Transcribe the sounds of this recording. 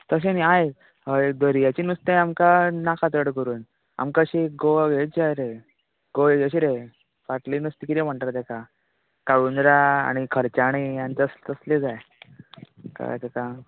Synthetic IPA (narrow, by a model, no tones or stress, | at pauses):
t̪əɕ̬eniaje | əd̪əɾijat͡ɕinust̪aamkanakʰat̪əɽkəɾuːn | a̰mkaəɕiɡoɡeajɾe | ɡ̥oeəɕ̬iɾe | faʈlinust̪ikit̪im̤əɳʈaɾt̪ɛka | kaʋunɾaa̰ɽ̃ikʰəɾt͡ɕaɽ̃ijãnt̪əst̪əsled͡zaj | ka̰t̪ɛka